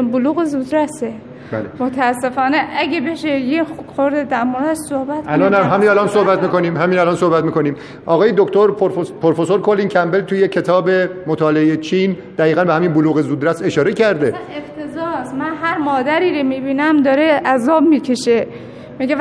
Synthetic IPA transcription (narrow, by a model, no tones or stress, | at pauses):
boluːɣezuːd̪ɾæse | bælemot̪ʰæːsːe̞fɒːneʔæɡʲebeʃejexoɾd̪ed̪æɾmoɾd̪æʃsohbæt̪ælɒnæɦæminælɒnsohbæt̪miːkoniːmɦæmiːnælɒːnsohbæt̪miːko̞niːm | ʔɒːɣɒːjed̪okt̪ʰoɾpʰoɾfosoɾkʰolincʲʰæmbe̞lt̪ʰujecʰe̞t̪ʰɒːbe̞mot̪ʰɒːleejet͡ʃʰind̪̥æiːɣænbehæmiːnboluːɣezuːd̪ɾæse̞ʃɒːɾecʰæɾd̪eeft̪ʰezɒːsmænɦæɾmɒːd̪æɾiːɾomiːbiːnæmd̪ɒːɾeʔæzɒːbmiːcʰeʃe | miɡe